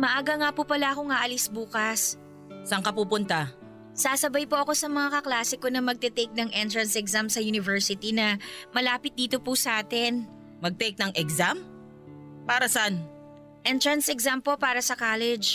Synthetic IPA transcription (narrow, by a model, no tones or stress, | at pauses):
mɐʔaːɡɐŋaːpupɐlaʔɐko̞ŋaʔɐlisbuːkɐs | sɐŋkɐpuːpʊnt̪ɐ | saːsɐbajpoʔɐko̞sɐmɐŋakɐklaːsɪko̞nɐmɐɡ̚t̪ɛt̪ɛjk̚nɐŋʔɛnt̪ɹɐnsɛksamsɐjunɪvɛɹsɪt̪inɐmɐlaːpɪt̪̚d̪iːt̪o̞pusɐʔaːt̪ɛn | mɐɡ̚t̪ɛjk̚nɐŋʔɛkzam | paːɾɐsɐan | ʔɛnt̪ɹɐnsɛksampo̞paːɾɐsɐkaːlɛd͡ʒ